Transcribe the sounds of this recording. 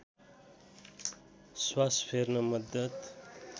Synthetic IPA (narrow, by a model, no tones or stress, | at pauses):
swasfʰeɾnɐməd̪ət̪